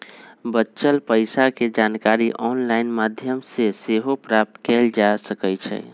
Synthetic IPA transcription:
bətːʃəlpəɪsaked͡ʒankaɾiʔɔnlainmad̪ʱjəmseseɦopɾap̚t̪keld͡ʒasəkət͡ʃʰɛ̰

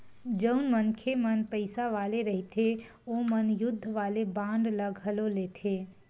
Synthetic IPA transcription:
d͡ʒəʊnmənkʰemənpəɪsaʋaːleɾəɦit̪ʰe | omənjʊd̪ʱːəʋaːlebãːɳɖləɡʱəloleːt̪ʰeː

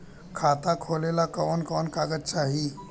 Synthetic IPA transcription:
kʰat̪akʰolelakɔːnkɔnkaɡətt͡ɕaɦi

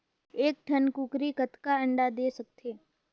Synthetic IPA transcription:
eːk̚ʈʰənkukɾikət̪kaə̃ɳɖad̪eːsək̚t̪ʰeː

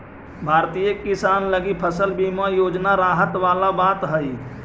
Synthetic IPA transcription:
bʱaːɾt̪ijəkɪsaːnləɡipʰəsəlbiːmajoːd͡ʒnaɾaːɦət̪ʋaːlabaːt̪ɦəi

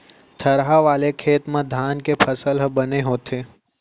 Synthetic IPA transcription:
t̪ʰəɾɦaʋaːlekʰeːt̪mẽd̪ʱaːnkepʰɐsəlɦbɐneɦoːt̪eː

